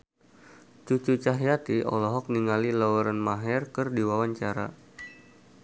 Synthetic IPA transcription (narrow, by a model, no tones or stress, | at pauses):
t͡ʃut͡ʃut͡ʃaɦjat̪iɔ̰lɔɦɔk̚niŋalilaɔɾanmaɦɛrkɨrdiwawaɲt͡ʃaɾa̰